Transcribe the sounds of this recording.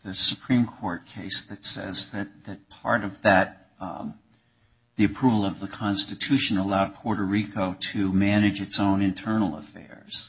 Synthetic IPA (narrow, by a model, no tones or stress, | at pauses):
ðɨsɨpʰɹ̥ĩmkʰɔɹt̚kʰeɪsðɨtsɛ̰zðɨt̪̚ðɨt̚pʰɑ̰ɹɾʌvðɨt̪̚ | ðiɨpʰɹ̥uvl̩ˠʌvðəkʰɑ̃nstɨtʰʉʃɨ̃nəlaʊd̚pʰɔɹɾə˞ikʰoʊɾɨmænɨd͡ʒɨtsõʊ̃nɨ̃ntʰɜ˞nl̩ˠə̰fɛ̰ɹz̥